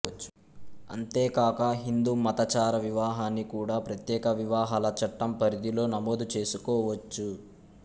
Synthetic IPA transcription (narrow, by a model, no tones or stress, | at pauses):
t͡ʃː | ɐ̰nt̪e̞ːkaːkɐɦind̪uːmɐt̪ɐt͡ʃaːɾɐʋiʋaːɦaːnːikuːɽaːpɾɐt̪jɛːkɐʋiʋaːɦaːlɐt͡ʃɐʈːɐmpɐɾid̪ilo̞ːnɐmoːd̪ut͡ʃe̞ːsukɔːʋɐt͡ʃːu